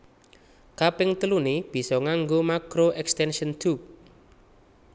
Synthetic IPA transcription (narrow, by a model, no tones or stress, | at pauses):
kapɪŋt̪əluneb̥i̤sɔŋaŋɡomakɾoʔɛkst̪ɛnʃənd̪up̚